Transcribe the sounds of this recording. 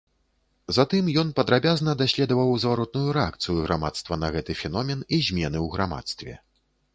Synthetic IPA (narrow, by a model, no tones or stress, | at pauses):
zat̪ɨmjɔnpɐd̪ɾabʲaznɐd̪asʲlʲɛd̪ɐvɐwzvaɾɔt̪̚nujuɾɛak̚t̪sɨjuɣɾama̰t̪st̪vɐnɐɣɛt̪ɨfʲɛnɔmʲɛnizʲmʲɛnɨwɣɾama̰t̪st̪vʲɛ̰